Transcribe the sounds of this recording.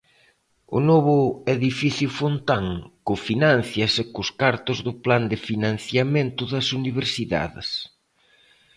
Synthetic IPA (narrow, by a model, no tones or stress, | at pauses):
ʊ̰noβʊeðifiθjʊfont̪aŋkʊfinanθjɐsekʊskaɾt̪ʊzðʊpland̪ɪfinãn̟θjament̪ʊðɐsuniβ̞eɾsiða̰ðɪ̰s